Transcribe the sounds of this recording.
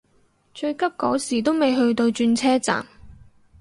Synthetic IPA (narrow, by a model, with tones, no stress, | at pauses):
t͡ʃɵ˧ɥkɐ˥p̚kɔː˨˥siː˨˩t̪o˥wme˨jɦɵ˧ɥt̪o˧wt͡ʃyː˧nt͡sʰɛː˥t͡sa̰ː˨˩m